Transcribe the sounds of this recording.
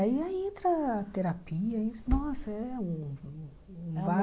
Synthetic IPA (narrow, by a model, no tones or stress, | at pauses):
aiaẽnt̪ɾɐːt̪eɾapiɐĩsnɔsɐɛũ | ũva